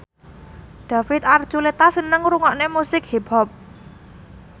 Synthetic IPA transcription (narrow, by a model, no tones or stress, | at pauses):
ɖ̪̥a̤fɪt̪̚ar̥ʒ̥ulet̪asənəŋɾuŋaʔnemusɪk̚hebɔp̚